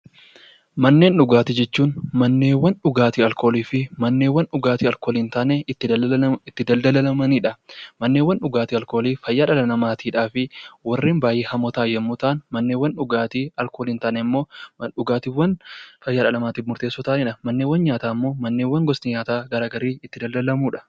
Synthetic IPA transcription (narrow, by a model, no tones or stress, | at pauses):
mɐnːe̞ːnᶑʊɡaːt̪ɪd͡ʒɛt͡ʃːuːnmɐnːeːwːɐnᶑʊɡaːt̪iːɐlkoːliːfɪmɐnːeːwɐnᶑʊɡaːt̪iːɐlkoːliːnt̪aːnɛːɪt̪ːɪd̪ɐld̪ɐlɐlɐmɐniːᶑɐmɐnːewːɐnᶑʊɡaːt̪iːɐlko̞ːliːfɐjːaːᶑɐlɐnɐmaːt̪ʰiːᶑaːfɪwɐrːeːnbaːjeːhɐmɔt̪aːjɛmːʊt̪aːnmɐnːeːwːɐnᶑʊɡaːt̪iːɐlkoːliːnt̪aːnɛmːo̞ːᶑʊɡaːt̪iːwːɐnfɐjːaːᶑɐlɐmaːt̪iːfmʊɾt̪eːsːɔt̪aːniᶑɐmɐnːeːwɐnɲaːt̪aːɪmːo̞ːmɐnːeːwːɐŋɡɔsniɲaːt̪aːɡɐɾaːɡɐɾiːɪt̪ːɪd̪ɐld̪ɐlɐmuːᶑɐ̥